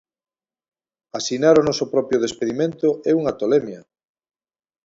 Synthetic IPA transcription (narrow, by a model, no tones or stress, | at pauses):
asinaɾʊnɔsʊpɾɔpjoð̞espeðimẽnt̪ʊɛuŋat̪olɛmjɐ